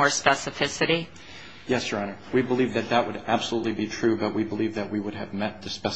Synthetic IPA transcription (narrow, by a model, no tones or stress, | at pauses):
ɔɹspɛsɨfɪsɨɾi | jɛsɹɑ̃ñə˞wibəlivðɨt̪̚ðət̚wəɾæb̥səlutˡlibitʰɹ̥ʉbʌt̚wibəlivðɨt̚wiwʊɾɨvmɛt̪̚ðɨspɛ